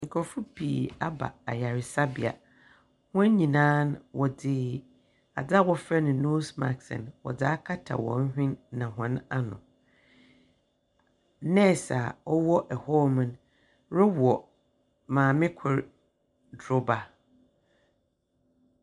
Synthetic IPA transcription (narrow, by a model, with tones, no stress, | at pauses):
ŋ̩˨kʰɔ˨fʊ˦pʰḭː˨a˦ba̰˨a˨ja˨ɾɪ˨sa˦bḭ˨a̰˨ | hʊ̃˦ɲ˦ɲĩ˨nãː˦nwʔɔ˨dɪː˦ | a̰˨d͡za˦wɔ˦fɾɛ˦nʊ̃˨nu˦sma̰˨ksɛ̰̃˨nwɔ̰˨d͡zaː˦kʰa˦tʰa̰˨wɔ̰̃˨n̩˦hᶣɪ̃˦nːã˨ɦʊ̃˨na˦nʊ̰̃˨ | nɛ̃˦˨sa̰˨ɔ˦wɔ˦ʔɛ˨hɔ˦mã˨n | ɾʊ˦wɔ˨ | mãː˨mɪ̃˦kʰʊ˨ɾ | dɾʊ˦ba˨